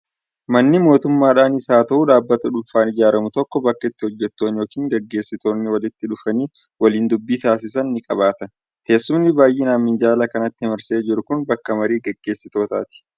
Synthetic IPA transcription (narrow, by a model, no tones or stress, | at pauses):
mɐnːɪmo̞ːt̪ʊmːaːᶑaːnɪsaːt̪ɐʔuːᶑaːbːɐt̪ɐᶑʊlfaːnɪd͡ʒaːɾɐmʊt̪ɔkːɔbɐkːɐɪt̪ːɪhɔd͡ʒːɛt̪ːoːnjo̞ːkiːŋɡɐɡːe̞ːsːɪt̪o̞ːnːɪwɐlɪt̪ːɪᶑʊfɐniː | wɐliːnd̪ʊbːiːt̪aːs̬ɪsɐnːɪkʼɐβaːt̪ɐ | ke̞ːsːʊmnɪbaːjʔɪnaːmːɪnd͡ʒaːlɐkɐnɐt̪ːɪhɛmɐɾseːd͡ʒɪɾʊkʊnbɐkːɐmɐɾiːɡɐɡːe̞ːsːɪt̪o̞ːt̪a̰ːt̪ɪ̥